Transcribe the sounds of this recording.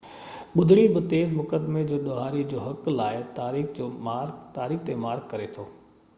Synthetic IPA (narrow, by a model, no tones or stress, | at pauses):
ɓʊd̪ʱɽ̃ibɪt̪eːzmʊkəd̪med͡ʑoːɗoɦaːɾid͡ʑoːɦɐklaːɪt̪aːɾiːxd͡ʑoːmaːɾt̪aːɾiːxʰt̪emaːɾɡkɐɾet̪ʰoː